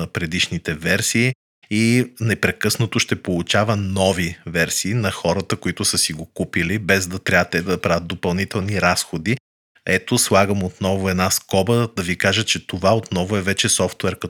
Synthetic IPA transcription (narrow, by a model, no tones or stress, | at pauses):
ɐpɾɛd̪iʃnit̪ɛvɛɾsiː | nɛpɾɛkɤsnət̪oʃt̪ɛpolˠut͡ʃavənɔvivɛɾsiːnɐxɔɾət̪əkoit̪ʊsəsiɡokupilibɛzd̪ɐt̪ɾʲat̪ɛd̪ɐpɾavʲət̪̚d̪opɐlˠnit̪ɛlˠniɾasxod̪i | ɛt̪oslˠaɡəmot̪nɔvʊɛd̪naskɔbəd̪ɐvikaʒət͡ʃɛt̪ovaot̪nɔvʊɛvɛt͡ʃɛsɔft̪ɛɾkɐ